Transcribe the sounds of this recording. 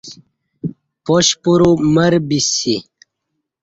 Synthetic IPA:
poɕpuɾumɐɾbisi

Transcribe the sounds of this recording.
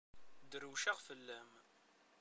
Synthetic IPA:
d̪ɾuʃaʁfəlːæm

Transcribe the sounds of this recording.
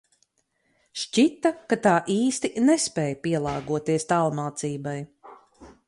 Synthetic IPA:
ʃt͡ʃit̪ːakat̪aːʔiːst̪inɛspɛːjpiɛlˠɑːɡuɔt̪iɛst̪alˠmaːt̪siːbaj

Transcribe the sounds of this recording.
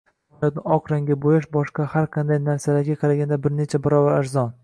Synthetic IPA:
jɒt̪̚nɪɒqʰɾaŋɡʲabojaʃbɒʃqɑhaɾqʰɑnd̪ajnaɾsalaɾɡʲaqʰɑɾaɡʲand̪abɪɾne̞t͡ʃʰabɪɾɒbaɾaɾzɒn

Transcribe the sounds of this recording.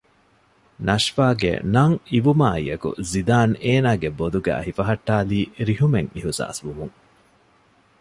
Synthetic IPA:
nɐʃfaːɡḛnɐŋiʋumaːḭjɐkṵzid̪aːneːnaːɡebod̪uɡæ̰ːɦifɐɦɐʈːaːliːɾiɦumeŋiɦusa̰ːsʋumuŋ

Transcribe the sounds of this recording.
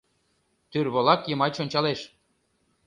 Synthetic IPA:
t̪yrβolˠɑkjə̆mɑjt͡ɕonʲt͡ɕɑleʃ

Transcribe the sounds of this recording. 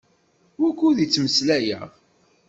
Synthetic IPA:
wækʷːuðit͡sːməslæjə̰

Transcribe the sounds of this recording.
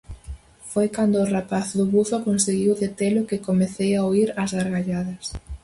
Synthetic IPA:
fojkand̪ʊːrapaθðʊβufakonseɣiwðet̪elʊkɪkomeθejaoiɾɐzðaɾɣaʎaðɐs

